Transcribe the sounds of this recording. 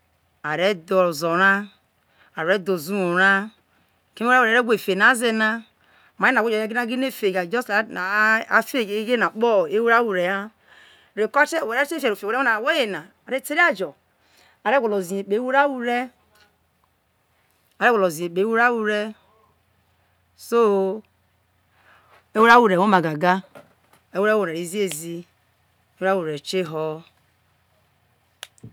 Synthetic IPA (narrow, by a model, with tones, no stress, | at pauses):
a˨ɾe˦do˨zo˨ɾa˦ | a˨ɾe˦do˨zu˦o˨ɾa˦ | ke˦e˦we˨ɾe˦ɡʷe˨fe˨na˨˦ze˨na˦˨ | ma˨˦e˦na˨wd͡ʒje˦ɡi˦a˦ɡi˦ne˦˨fe˨ɡa˨d͡ʒɔ˦sa˦fe˦˨˦ɡe˦na˨k͡po˦˨e˦wu˦ɾa˦wu˨ɾe˨ja˦˨ | ɾe˨ko˦t͡ʃe˦˨e˨ɾe˦t͡ʃe˦fe˨ɾo˨fe˨ɾe˦o˦a˨we˦je˨na˨ | a˨ɾe˦˨te˦e˦a˦d͡ʒo˨ | a˨ɾe˦ɡʷo˨lo˨zi˨e˨k͡pe˨˦wu˦ɾa˦wu˦ɾe˦ | a˨ɾe˦wo˨lo˨zi˨e˨k͡pe˨˦wu˦ɾa˦wu˨ɾe˦ | so˦ | e˦wu˦ɾa˦wu˦˨ɾe˨wo˦ma˨ɡa˨ɡa˦ | e˦wu˦ɾa˦wu˨ɾe˨i˨˦zi˦e˨zi˦ | e˦e˦ɾa˦wu˨ɾe˨t͡ʃe˦ɦɔ˦